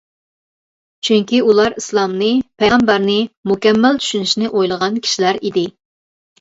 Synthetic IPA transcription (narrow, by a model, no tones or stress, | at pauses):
t͡ʃʰyŋkʲiulˠɑɾislˠɑmnɨpʰɛʁɑmbæɾnɨmukʲɛmːælt͡ʃ̪ʰy̥ʃynyʃnɪʔojlˠəʁɑnkʲʰi̥ʃilæɾid̪ɪ